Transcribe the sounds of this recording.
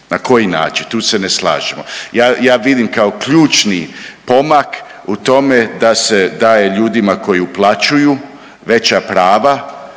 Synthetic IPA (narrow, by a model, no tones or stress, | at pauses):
nako̞jina̰ːt͡ʃint̪uːse̞nesla̰ːʒemo̞̰jaːjaːʋid̪imkao̞kʎuːt͡ʃnipo̞mak | ut̪o̞me̞d̪ase̞d̪aːje̞ʎuːd̪imako̞jiuplˠat͡ʃuju | ʋe̞t͡ɕapɾaːʋa